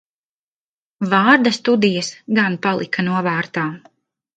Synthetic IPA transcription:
vaːɾd̪ast̪ud̪ijɐsɡanpalˠḭkʰanuɔvaːɾt̪aː

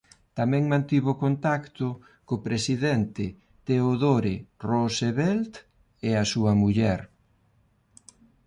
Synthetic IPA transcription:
t̪amɛ̃ŋmãnt̪iβʊkont̪akt̪ʊ | kopɾesiðɛnt̪ɪ | t̪eoðoɾɪroseβɛlt̪ | easuɐmuʎɛɾ

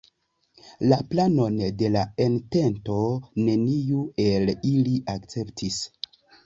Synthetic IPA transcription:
laplano̞nde̞laente̞nto̞ne̞nijue̞liliʔakt͡se̞ptʰis

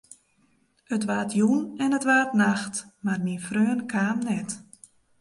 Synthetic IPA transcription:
ətʋaːtʰjunɛnətʋaːtnaxtmarmifrøːnkʰaːmnɛt

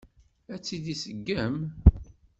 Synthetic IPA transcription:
æt͡sːiðisəɡːæm

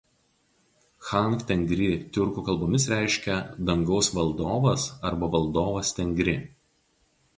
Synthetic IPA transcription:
xɐˑŋˑkt̪ʲɛŋʲɡɾʲɪt̪ʲʊɾkuːkɐlˠboːmʲɪs̬ɾʲæˑɪʃʲkʲɛd̪ɐŋɡɒʊsʋɐlˠd̪oːʋɐsɐɾbɐʋɐlˠd̪oːʋɐst̪ʲɛŋʲɡɾʲɪ

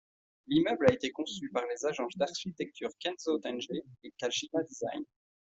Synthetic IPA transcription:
limœblaet̪ekɔ̃sypaʁlezaʒɑ̃sd̪aʁʃit̪ɛk̚t̪ʰyʁkʲɛnzot̪ɛnʒeekalʃinad̪iza̰jn

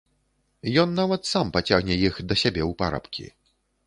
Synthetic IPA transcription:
jɔnːavɐt̪sampat͡sʲaɣnʲɛjixd̪ɐsʲabʲɛwpaɾa̰pkʲḭ

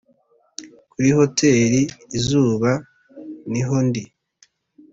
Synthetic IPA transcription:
kuɾiho̞tʰe̞ːɾiːzuːβa | niɦo̞ndi

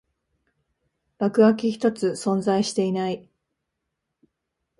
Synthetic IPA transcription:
b̥akɯ̟βakʲiçi̥t̪o̞t͡sɨsõ̞nd͡zaiɕi̥t̪e̞inai

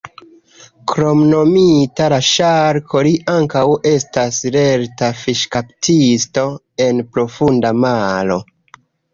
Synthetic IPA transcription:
kɾo̞mno̞mitalaʃaɾkʰo̞liʔaŋkawe̞stasle̞ɾtafiʃkaptisto̞ | e̞npɾo̞fundamalo̞̰

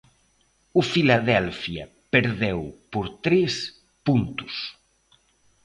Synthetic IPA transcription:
ʊfilaðɛlfjɐ | peɾðewpoɾt̪ɾes | punt̪ʊ̥s

